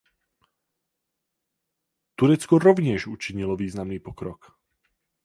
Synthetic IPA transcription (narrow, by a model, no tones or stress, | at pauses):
t̪uɾɛt͡skɔɾɔʋɲɪɛʒut͡ʃiɲilɔʋiːznamniːpɔkɾɔk